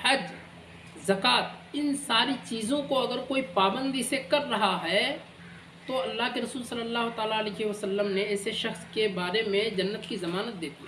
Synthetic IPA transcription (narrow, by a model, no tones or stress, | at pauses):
hɐd͡ʒ | zɐkaːt̪ɪnsaːɾit͡ʃiːzõkoɐɡəɾkoːipaːbə̃nd̪isekɐɾːɐɦaɦɛ | t̪oɐlːaːɦkeɾɐsuːlsɐlːəlːaːɦot̪aːlaəleːɦʋɐsəlːəmneɛːseʃɐxskebaːɾemẽd͡ʒɐnːət̪kizɐmaːnət̪̚d̪eːt̪iɦɛ